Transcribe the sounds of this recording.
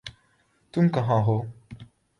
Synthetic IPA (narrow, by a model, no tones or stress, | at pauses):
tuŋ̩kaɦãɦo